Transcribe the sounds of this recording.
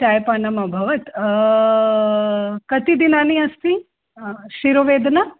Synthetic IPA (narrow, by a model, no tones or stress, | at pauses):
ʈajpɐnɐmɐbʱɐʋɐt̪ | kɐt̪id̪inaːniɐst̪i | ʃiɾoʋeːd̪nɐ